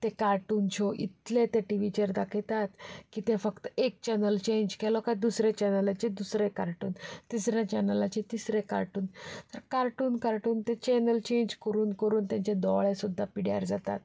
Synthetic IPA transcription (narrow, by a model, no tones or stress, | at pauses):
t̪ekaɾʈuːnt͡ɕʰɔʔḭt̪let̪eʈiʋit͡ɕəɾd̪akʰɛt̪at̪kit̪ẽfəkt̪əek̚t͡ɕɛnəlt͡ɕẽɲd͡ʑkɛlɔkaid̪usɾet͡ɕɛnəlat͡ɕed̪usɾekaɾʈuːnt̪isɾjãt͡ɕɛnəlat͡ɕet̪isɾẽka̰ɾʈuːnt̪əɾkaɾʈuːnkaɾʈuːnt̪ẽt͡ɕɛnəlt͡ɕẽɲd͡ʑkəɾuːnkəɾuːnt̪jãɲt͡ɕẽd̪ɔɭesud̪ʱːapiɽja̰ɾd͡zat̪at̪̚